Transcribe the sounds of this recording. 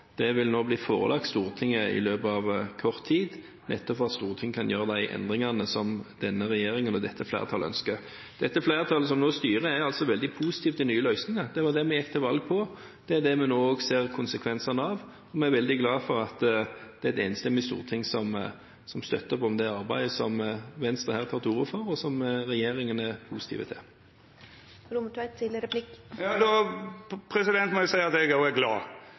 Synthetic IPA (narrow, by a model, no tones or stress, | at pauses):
d̪̥ɛʋɪlnoːbliːfo̰ːʁəlʔɑk̚t̪st̪uːʁət̪ʰɪŋːəɪ̰løːbɑʋkʰɔʁt̪ʰːiːd̪ | nʔɛ̰t̪ːɔpfɔɑt̪st̪uːʁət̪ʰɪŋːəkʰɑnjøːʁəd̪æɪʔɛ̰nd̪ʁɪŋɑnəsɔmd̪̥ɛnːəʁɛjeːʁɪŋənɔd̪ɛt̪ʰːəflæ̰ːʁt̪ʰɑːləœ̰nskə | d̪̥ɛt̪ːəflæːʁt̪ʰɑːləsɔmnoːst̪yːʁəæɑlt̪sɔʋɛld̪ɪpʰusɪt̪iːft̪ɪnyːəlœʏsnɪŋəd̪̥ɛʋɑd̪ɛmɛjɛkːt̪ʰɛʋɑlɡ̚pʰɔ | d̪̥ɛæd̪ɛmɛnoːoɡseːʁkʰʊnsəkʰʋɛnsɑnəɑʋ | ɔmɛæɾʋɛld̪ɪɡlɑːfɔɾɑt̪d̪̥ɛd̪ḛːnəst̪ɛmɪst̪ṵːʁət̪ʰɪŋsɔm | sɔmst̪œ̰t̪ːəpɔmd̪ɛɑɾbæɪd̪əsɔmʋɛnst̪ʁəhæːʁt̪ʰɑːʁt̪ʰuːʁʊfɔʁɔsɔmʁɛjeːɾɪŋənæpʰuːsɪ̥t̪ʰḭːʋə̰t̪ʰɪ̰l | ɾʊmət̪ʰːɪt̪ʰɪləɾəbʰlɪkjɑːd̪ɔ | pʰɾɛsɪd̪ɛnt̪mɔjʊsæɪəɑt̪ɛɡoɛɡlɑː